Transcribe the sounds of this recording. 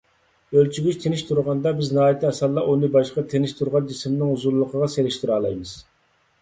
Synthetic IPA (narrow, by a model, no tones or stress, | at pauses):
ølt͡ʃʰyɡʲyt͡ʃt̪ʰenɪʃt̪ʰuɾʁɑnd̪ɑbɪznɨɦɑːjit̪ʰɪɛsɑlˠːɑʔonɨbɑʃqɑt̪ʰenɪʃt̪ʰuɾʁɑnd͡ʒisɪmnɪŋhuzuɾlˠəqʰəʁɑseɾɪʃt̪ʰɪɾɑːlˠɑ̰jmɨz̥